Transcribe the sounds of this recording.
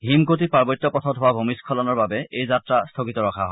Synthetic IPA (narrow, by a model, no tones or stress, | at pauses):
ɦimkotipaɹbɔtːɔpɔtʰɔtɦowabʱomiskʰɔlɔnɔɹbabɛejzatɹastʰokitɔɹɔkʰaɦɔ